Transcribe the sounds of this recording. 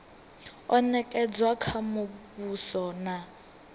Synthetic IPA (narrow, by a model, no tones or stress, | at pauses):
ɔnɛkʼɛd͡zwakʰamopusɔna